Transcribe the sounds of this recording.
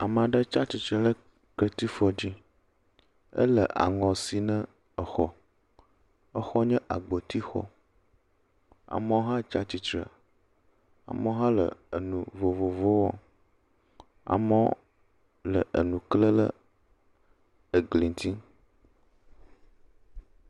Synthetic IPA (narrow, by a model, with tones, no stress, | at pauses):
a˨mã˨ɖə˦t͡ʃa˦t͡ɕi˨t͡ʃɾə˨lə˦ | kə˦t̪i˦fɔ˦d͡ʑi˦ | ə̰˦lə̰˨ʔa̰˨ŋɔ̃˨si˨nə̃˦ | ə˨xɔ˦ | ə˦xɔ˦ɲɛ̃˦ʔa˨ɡ͡bo˨t̪i˦xɔ̰˦ | a̰˨mə̃˦o˦ɦã˦t͡ʃa˦t͡ɕi˨t͡ʃɾə̰˨ | a̰˨mə̃˦ɦã˦lə̰˨ə˨nũ˨vo˨vo˨vo˦wɔ˦ | a̰˨mə˦ | lə˨ʔə̰˨nũ˨klə˦lə̰˦ | ə˨ɡli˨n˨t̪i˦